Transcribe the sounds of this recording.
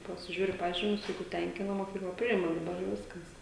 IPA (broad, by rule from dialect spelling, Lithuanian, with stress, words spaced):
pɐsʲɪˈʒʲuːrʲɪ ˈpɑːʒʲiːmʲʊs ˈjɛɪɡʊ ˈtʲɛŋʲkʲɪnɐ moːˈkʲiːklˠɐ ˈpʲrʲɪɪmɐ dɐˈbɐr jɛʊ ˈʋʲɪskɐs